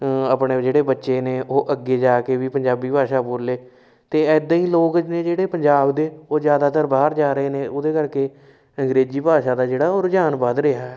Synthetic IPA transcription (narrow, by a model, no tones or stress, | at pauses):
əpɳeːd͡ʒeːɽeːbətːʃeːneːʔoːʔəɡːeːd͡ʒaːkeːʋiːpəɲd͡ʒaːbiːpaːʃaːpʊɾleː | t̪eːɛːd̪aiːloːkənẽːd͡ʒeːɽeːpəɲd͡ʒaːbd̪eːoːd͡ʒjaːd̪aːt̪əɾbaːɾd͡ʒaːɾəeːneːʊd̪eːkəɾkeː | əŋɡɾeːd͡ʒiːpaːʃaːd̪aːd͡ʒeːɽaːoːɾd͡ʒaːnbaːd̪ɾɪaːɛ